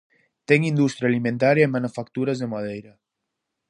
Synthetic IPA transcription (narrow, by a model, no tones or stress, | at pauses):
t̪ɛŋind̪ust̪ɾjalimẽnt̪aɾjaemanufakt̪uɾazðemað̞ejɾa